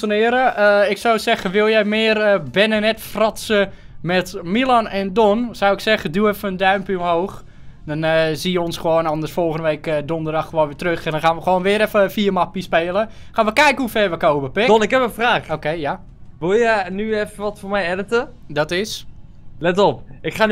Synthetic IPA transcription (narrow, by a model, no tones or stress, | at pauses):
sənɪəɾəəɪksowsɛxəʋɪlˠjɛjmɪərəbɛnənɛtfrɔtsə | mɛtmilˠanɛndɔnsɔwɪksɛɣədjuɛfəəndœɥmpəomɦoːx | dɔnəzijəɔnsχəʋoːnɔndərsfolˠxəndəʋeːkədondərdɑxːʋoːnʋɪːtrøxɛndɔnxaːnʋəxʋoːnʋɪəɾɛfəfiːərmapispeːlˠəχaːnʋəkɛjkənhufɛrʋəkowməpɪdɔnɪkɦɛpənfraːxokejja | ʋɪlˠjənyɛfəʋɔtfomɛjɛdətədɔtɪs | lɛtɔp̚ɪkxaːn